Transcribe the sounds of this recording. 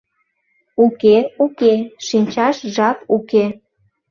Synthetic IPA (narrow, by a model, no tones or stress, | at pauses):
ukeukeʃinʲt͡ɕɑʃʒɑpuke